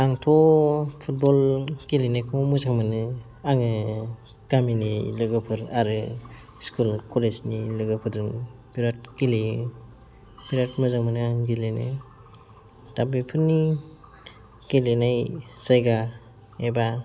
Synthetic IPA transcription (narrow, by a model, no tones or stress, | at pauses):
aŋtʰɔpʰut̚bɔlɡilenajkʰɔmuzʰaŋmanɯ | aŋɯ | ɡ̥aminilɯɡɯpʰɯɾaɾɯ | skʰulkʰɔlesnilɯɡɯpʰɯɾdɯŋb̥iɾat̚ɡili | b̥iɾatmɯzaŋmanɯaŋɡilenɯ | tabipʰɯɾni | ɡ̥ilenajsajɡa | eba